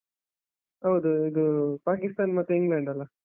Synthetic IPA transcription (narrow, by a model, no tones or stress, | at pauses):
ɦɐwd̪uid̪upaːkist̪aːnmɐt̪ːuiŋɡɭeːɳɖɐlːa